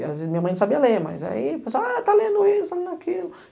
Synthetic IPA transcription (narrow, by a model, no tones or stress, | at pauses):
azmiɲɐmɐ̃j̃ñsabiɐlemɐ̰za̰ipẽs̬aat̪alẽnd̪ʊisɐakilʊ